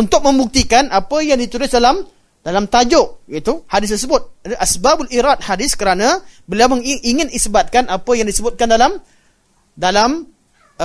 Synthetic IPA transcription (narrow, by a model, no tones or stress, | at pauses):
unt̪ʊk̚mə̃mbuk̚t̪ikanʔapəjaŋdit̪uɾʊsdalam | dalamt̪ad͡ʒʊʔit̪uhadɪs̬t̪ərsəbʊt̪̚dʔasbabalʔiɾat̪̚hadɪskəɾanãbəliawməŋiŋɪnisbat̪̚kanapəjaŋdisəbʊt̪̚kandalam | dalam